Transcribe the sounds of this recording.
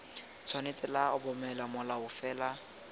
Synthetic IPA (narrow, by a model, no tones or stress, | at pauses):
t͡sʰɔnet͡sʼɪlaʊbɔmɛlamʊlaʊfɛːla